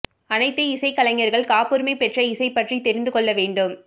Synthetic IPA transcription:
ɐnɐɪt̪ːɐɪsɐɪkːɐlɐŋːɐɾɣɐɭkaːpɯːɾmɐɪpːɛʈrɐɪsɐɪpːɐʈrit̪ɛɾɪnd̪ɯkɔɭːɐʋeːɳɖɯm

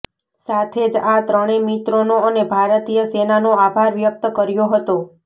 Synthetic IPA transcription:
sat̪ʰed͡ʒat̪ɾəɽ̃emit̪ɾonoənebʱaɾt̪ijəsenanoabʱaɾʋjək̚t̪əkəɾjoɦət̪o

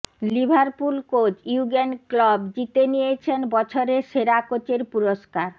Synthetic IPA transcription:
libʱaɾpulkot͡ɕiuɡenklɔbd͡ʑit̪enijet͡ɕʰenbɔt͡ɕʰoɾeʃeɾakot͡ɕeɾpuɾoʃkaɾ

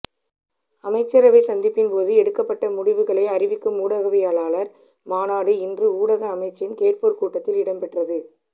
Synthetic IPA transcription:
ɐmɐɪt͡ʃːɐɾɐʋɐɪsɐnd̪ɪpːɪnpoːðɯɛɽɯkːɐpːɐʈːɐmʊɽɪʋɯɣɐɭɐɪɐrɪʋɪkːɯmːuːɽɐɣɐʋɪjaːɭaːɭɐɾ | maːnaːɽɯɪndrɯuːɽɐɣɐːmɐɪt͡ʃːɪnkeːrpoːɾkuːʈːɐt̪ːɪlɪɽɐmpɛʈrɐðɯ

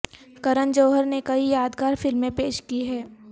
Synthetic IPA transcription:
kɐɾənd͡ʒoːɦəɾnekɐijaːd̪ɡaːɾfɪlmːẽpeːʃkiɦɛː

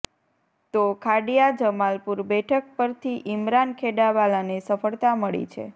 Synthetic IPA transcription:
t̪okʰaɖijad͡ʒəmalpuɾbɛʈʰək̚pəɾt̪ʰiʔɪmɾankʰeɖaʋalanesəfəɭt̪aməɭḭt͡ʃʰḛ

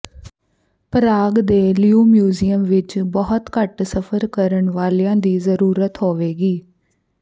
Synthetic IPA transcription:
pəɾaːɡd̪eːliuːmjuːziːəmʋɪt͡ʃbɔɦʊt̪kəʈsəpʰəɾkəɾəɳʋaːliãːd̪iːzəɾuːɾət̪ɦoːʋeːɡiː

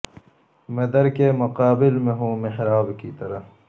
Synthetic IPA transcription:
med̪ɐɾkemʊqaːbɪlmeɦũːmɪhɾaːbkit̪ɐɾɐ

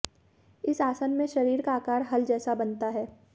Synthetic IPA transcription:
ɪsaːsənmẽʃɐɾiːɾkaːkaːɾɦɐld͡ʒɛːsabɐnt̪aɦɛː

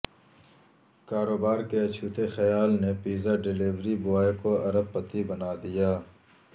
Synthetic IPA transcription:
kaːɾoːbaːɾkeɐt͡ʃʰuːt̪exɐjaːlnepiːzaɖɪliːʋɾibʊaːekoɐɾəb̚pɐt̪ibɐnaːd̪ijaː

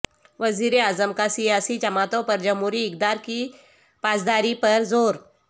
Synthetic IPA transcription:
ʋəziɾeazəmkasijasiːd͡ʒɐmat̪opəɾd͡ʑəmɦuɾiːk̚d̪aɾki | pasd̪aɾipəɾd͡zoːɾ

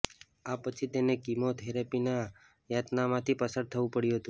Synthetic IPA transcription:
apət͡ʃʰit̪enekimot̪ɦeɾepina | jat̪namãt̪ʰipəsəɽ̚t̪ʰəʋũpəɽjũɦət̪ũ

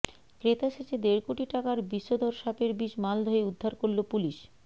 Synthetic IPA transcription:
kɾet̪aʃeʃed̪eɾkoʈiʈakaɾbiʃːod̪ʱoɾʃapeɾbiʃmald̪ʱoeud̪ʱːaɾkoɾlopuliʃ

